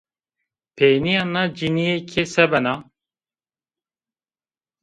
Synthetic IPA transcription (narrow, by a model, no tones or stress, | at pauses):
pʰejnijanad͡ʒinijekʰesɛbɛna